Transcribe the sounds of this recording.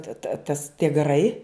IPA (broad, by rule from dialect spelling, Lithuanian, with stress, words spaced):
tɐ tɐ tɐs tʲiɛ ɡɐˈrɐɪ